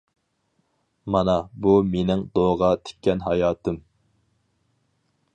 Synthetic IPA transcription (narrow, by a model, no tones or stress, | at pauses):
mɑnɑbumenɪŋd̪oʁɑt̪ʰe̥kʲʰːɛnɦɑjɑːt̪ʰɨm